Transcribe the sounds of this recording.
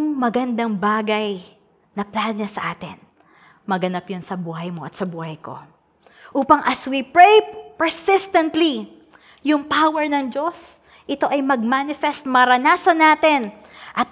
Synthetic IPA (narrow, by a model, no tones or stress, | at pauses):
ŋmɐɡɐnd̪ɐŋbaːɡɐj | nɐplanɲasɐʔaːt̪ɪn | mɐɡɐnapjʊnsɐbuːɦɐjmo̞ʔɐt̪sɐbuːhɐjko̞̰ | ʔuːpɐŋʔɐswipɹejpɛɹsɪst̪ɐnt̪li | jʊŋpawɛɹnɐŋd͡ʒo̞s | ʔɪt̪o̞ʔɐjmɐɡ̚manɪfɛst̪̚mɐɾɐnaːsɐnaːt̪ɛn | ʔɐt̪̚